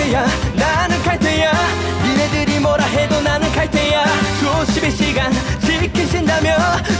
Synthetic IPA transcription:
ejananɯnkʰat̪ʰeɲja | inedɯɾimʌɾaɦed̪onanɯnkʰaɭt̪ʰejat͡ɕoɕʰibeɕʰiɡant͡ɕʰikʰiɕʰindamjʌn

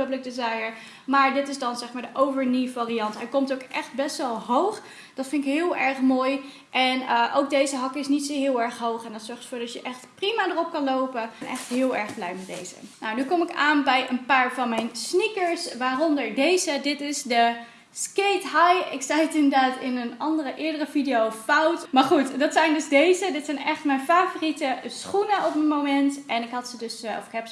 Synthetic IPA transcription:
əblɪk̚dezajəɹ | maːɹdɪtɪzdɑnzɛχmaːɹdəʔowvəɹnivaːriɑntɦɛjkɔmtowkʔɛχt̚bɛstʋɛlˠɦowχ | d̥ɑtfɪnɪkɦɪːlˠɛɹχmoːj | ʔɛnəʔowk̚dejzəɦɑkɪsnitsoɦɪːlˠɛɹχɦowχɛndɑtsɔɹχtə̥fʊːɹdɑtjəʔɛχtprimadərɔp̚kɑnlowpənʔɛχtɦɪːlˠɛɹχblɛjmɛd̚dḛjzə̰nawnykɔmɪkaːnbɛjənpaːɹvɑnmɛjnsnikəɹsʋaːrɔndəɹdejzədɪtɪsdə | sketɦajɪksajətɪndəɹdaːtɪnənɑndərəʔɪːɹdərəvidejowfawtmaːɹχutdɑtsɛjndɵzdejzədɪtsɛjnɛχtmɛjnfaːvoritəsχunəɔpmənmowmɛntʔɛnɪkɦɑtsədɵsɔ̰fɪkɦɛps

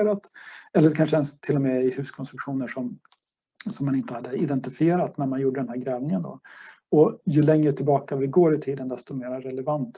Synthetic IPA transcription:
ɾat̪ɛlːəɾkʰanʂəɛnst̪ʰɪlːɔmɛɪhʉ̟ːskʰɔnst̪ɾɵkɧuːnəʂɔm | sɔmːanɪnt̪əhad̪ːəɪd̪ɛnt̪ɪfɪeːɾat̪næɾmanjuːɖəd̪ɛnhæːɾɡɾɛːvnɪŋənd̪ɔ̰ | ɔjɵlɛŋɾət̪ʰɪlbɑːkavɪɡoːɾɪt̪ʰiːd̪ənd̪ɛst̪ɔmeːɾaɾɛlɛvant̪

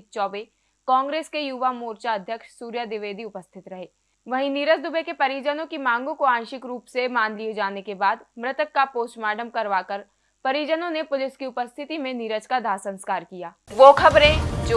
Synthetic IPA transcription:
t͡ʃɔːbe | kɔ̃ːŋɡɾeːskejuʋamoːɾt͡ʃaɐd̪ʱjəkʃsuːɾjad̪ɪʋeːd̪ʱiʊpəst̪ʰɪt̪ɾɐɦeː | ʋɐɦĩniːɾəd͡ʒd̪ʊbekepɐɾiːd͡ʒənõkimãːŋɡõkoãːnʃɪkɾuːpsemaːnlied͡ʒaːnekebaːd̪mɾɪt̪əkːapoːst͡ʃmaːɖəmkɐɾʋaːkəɾ | pɐɾiːd͡ʒənõnepʊlɪskiʊpəst̪ʰɪt̪imẽniɾət͡ʃkad̪ʱaːsə̃nskaːɾkijaːʋoːkʰɐbɾẽːd͡ʒo

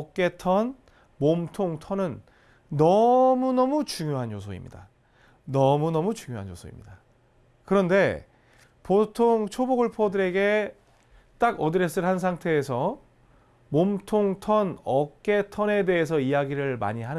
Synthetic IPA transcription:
k͈e̞tʰʌn | momtʰoŋtʰʌnɯnː | ʌmunʌmut͡ɕuŋjoɦanjosʰoḭmɲḭda̰ | nʌmunʌmut͡ɕuŋjoɦanjo̰sʰoḭmɲida | kɯɾʌnde̞ | potʰoŋt͡ɕʰoboɡɯɭpʰʌdɯɾe̞ɡe̞ | t͈aɡʌdɯɾes͈ɯɭhans̬ʰaŋtʰe̞ːsʰʌ | momtʰoŋtʰʌnʌk͈e̞tʰʌne̞de̞ɦes̬ʰʌijaɡiɾɯɭma̰ɲiɦanɯ

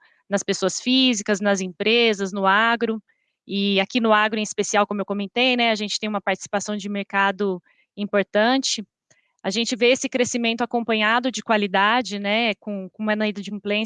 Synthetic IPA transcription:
nɐspesoɐsfizikɐznɐzĩpɾezɐznʊaɡɾʊ | ɪakinʊaɡɾʊẽispesiawkõmʊewkõmẽnt̪ejnɛaʒẽnt͡ʃɪt̪ẽj̃umɐpaɾt͡ʃɪ̥si̥pasɐ̃w̃d͡ʒɪmeɾkad̪ʊ | ĩpoɾt̪ɐ̃t͡ʃɪ | aʒẽnt͡ʃɪveesɪkɾesimẽnt̪ʊakõmpɐ̃ɲad̪ʊd͡ʒɪkwalid̪ad͡ʒɪnɛkõkõmɛnɐid̪ɐd͡ʒɪĩplẽ

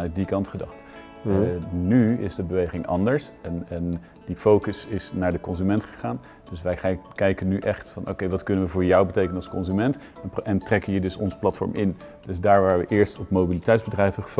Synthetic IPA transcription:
œt̚dikɑntχədɑ̰χt | nyɪ̰zdəbəʋejχɪŋʔɑ̰ndəɹsɛnɛn | difowkəsɪsnaːɹdəkɔnzymɛntχə̥χaːn | d̥ɵsʋɛjχkɛjkənyʔɛχtfɑnʔo̰wkejʋɑtkɵnənʋəvʊːɹjɔwbətejkənənɑlˠskɔnzymɛnt | ʔɛntrɛkəiːɹdɵsɔ̰nzə̥plɑtfɔ̰ɹmʔɪn | d̥ɵzdaːɹʋaːəʋəʔɪːɹstɔpmobilitɛjtzbədrɛjvəχəf

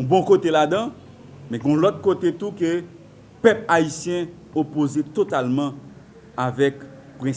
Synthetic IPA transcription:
ɔ̃bɔ̃kot̪elad̪ã | mɛ̃ɡɔ̃lɔt̪̚kot̪et̪ukø | pœpaisjɛ̃ | opozet̪ot̪almã | avɛk | pʁɛ̃s

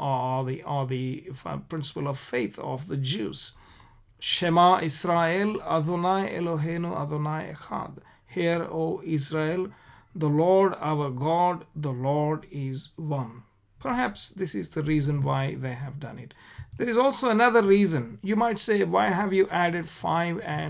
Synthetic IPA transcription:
ðiʔɔd̪ipɾɪ̃nsɪ̥pəlɔʋfeɪt̪ʰɔ̰ʋd̪əd͡ʒṵːz̥ | ʃemaʔɪsɾaelɐ̰d̪onaɪḛloɦeːnuʔa̰d̪onaɪḛxa̰d̪ | hiəɾoːɪsɾel | d̪əlɔːɾɖa̰ʊəɾɡɔɖd̪əlɔːɾɖɪzʋʌ̃n | pʰəɾɦæpsd̪ɪsɪzd̪əɾiːzə̃nʋaɪðeːɦæʋɖʌ̰̃nɪ̰ʈd̪eɾɪzɔlsoːənʌðəɾːiːzə̃njuːmaɪʈseːʋaɪɦæʋjuːʔæɖeɖfaɪʋɛ̃

